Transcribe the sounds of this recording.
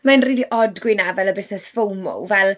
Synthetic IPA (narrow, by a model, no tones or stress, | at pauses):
manriːliʔɔdɡwɪnavɛləbɪsnɛsfowmo̰wvɛlˠ